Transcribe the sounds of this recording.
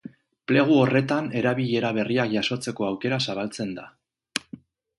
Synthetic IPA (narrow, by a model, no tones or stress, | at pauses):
ple̞ɣ̞uo̞re̞t̪ane̞ɾaβiʎe̞ɾaβ̞e̞riakʝaso̞t͡se̞ko̞awke̞ɾasaβ̞alt͡se̞nd̪a